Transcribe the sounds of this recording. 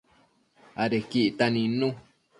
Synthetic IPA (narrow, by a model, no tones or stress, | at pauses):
aɾekiʔit̪anĩnũ